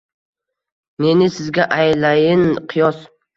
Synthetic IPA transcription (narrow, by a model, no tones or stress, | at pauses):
ne̞nɪsɪzɡʲaʔajlajɪnqʰɨjɒs